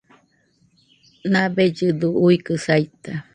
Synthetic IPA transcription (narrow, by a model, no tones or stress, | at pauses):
nãbed͡ʒɨd̪uuikɨsait̪a